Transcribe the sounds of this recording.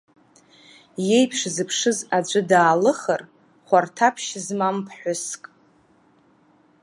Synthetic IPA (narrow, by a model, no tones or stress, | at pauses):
je̞jpʰʂzɨpʰʂɨzad͡ʒʷʼɨdaːlɨχər | χʷartʰapʰʃzmampʰħʷʊskʼ